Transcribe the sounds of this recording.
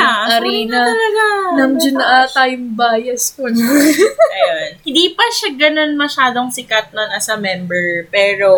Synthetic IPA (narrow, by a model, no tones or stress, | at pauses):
aʔɐɾiːnɐɐlɐɡanɐŋd͡ʒʊnʔɐt̪ajʊŋbaːjɐskon | ʔɐjonhɪnd̪iːpɐʃaɡɐno̞nmɐʃaːd̪oŋsɪkɐt̪̚nɐŋʔɐsɐmɛmbɛɹpɛːɾo